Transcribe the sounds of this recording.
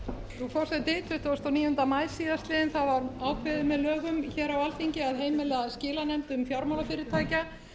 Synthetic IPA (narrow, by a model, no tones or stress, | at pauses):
θufɔwsɛt̪eːt̪ʰvʏht̪ɔst̪awniːjʏnt̪amajsiːðast̪lɪðɪnθawvaɾaːwkʰvɪðʏmɛðlœːɣʏmçɛːɾawalθiɲcɪaðɦeːjmɪlɛascɪːlanɛmt̪ʏmfjawɾmawlafɪɾɪɾ̥t̪ʰaːjca